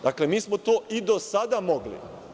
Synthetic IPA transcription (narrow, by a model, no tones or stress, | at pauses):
d̪akle̞miːsmot̪oːʔid̪o̞sad̪amo̞ɡlḭ